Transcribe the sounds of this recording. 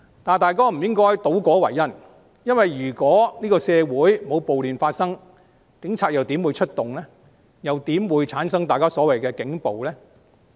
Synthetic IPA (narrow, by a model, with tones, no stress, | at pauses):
t̪aː˨˩nt̪aː˨jkaː˥m̩˨˩jɪ˥ŋkɔː˥jt̪o˨˥wkɔː˨˥wɐ˨˩jːɐ˥n | jɐ˥nwɐ˨jɥyː˨˩kʷɔː˨˥niː˥kɔː˧sɛː˧wuː˨˥jmo˨˧wpo˨wlyː˨˩nfaː˧t̚sɐ˥ŋ | kɪ˨˥ŋt͡sʰaː˧k̚jɐ˨wt̪i˨˥mwuː˨˧jt͡ʃʰɵ˥t̚t̪ʊ˨˩ŋlɛː˥ | jɐ˨wt̪iː˨˥mwuː˨˧jt͡sʰaː˨˥nsɐ˥ŋt̪aː˨˩kaː˥sɔː˨˥wɐ˨jkɛː˧kɪ˨˥ŋpo˨wlɛː˥